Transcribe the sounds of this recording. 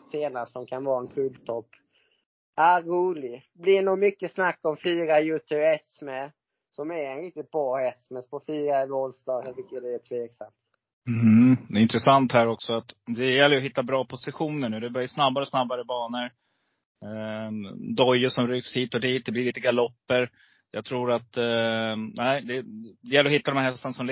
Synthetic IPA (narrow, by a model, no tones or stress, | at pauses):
seːnasɔmkʰanvɑːɾaɛnkʰʉːlt̪ʰɔpː | aɾuːlɪɡ | blɪnuːmʏkːəsnakːɔmfiːɾajʉːt̪ʰɵɛsmə | sɔmæɾɛnɾɪk̚t̪ɪt̪̚bɾɑːhɛsmɛspʰɔfiːɾaɛvɔlsd̪ɑːɡsɛt̪ʏkːəd̪ɛːt̪ʰveːksa̰mt̪̩ː | d̪ɛɪnt̪ɾəsant̪hæːɾɔksɔat̪d̪ɛjɛlːəɾəɔɦɪt̪ːabɾɑːpʰɔsɪɧuːnəɳʉ̟ːd̪ɛbœɾjsnabːaɾɔsnabːaɾəbɑːnəɾ | d̪ɔjːəʂɔmɾyːkshiːt̪ɔd̪iːt̪̚d̪ɛblɪɾɭiːt̪əɡalɔpːəɾ | jɑːɡ̚t̪ʰɾuːɾat̪ | næɪd̪ɛd̪ɛjɛlːɾɔɦɪt̪ːad̪ɔmhæɾɦɛst̪ːənasɔml